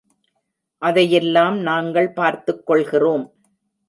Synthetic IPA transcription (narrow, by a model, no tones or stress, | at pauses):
ʔɐðɐjɛlːaːmnaːŋɡɐɭpaːɾt̪ɯkːɔɭɣɪroːm